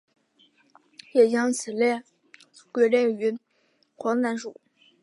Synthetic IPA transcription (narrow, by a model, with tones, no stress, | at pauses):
jɛ˨˩t͡ɕjɑ˥ŋt͡sʰɹ̩˨˩ljɛ˥˩ | kwe˧˥ljɛ˥˩y˧˥ | xwɑ˧˥ŋna˧˥nʂu˨˩˦